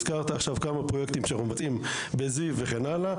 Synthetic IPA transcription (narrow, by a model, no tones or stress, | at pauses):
z̥kaʁt̪aaχʃavkamapʁojekt̪imʃeanaχnumevat͡sim | bezive̞χe̞nala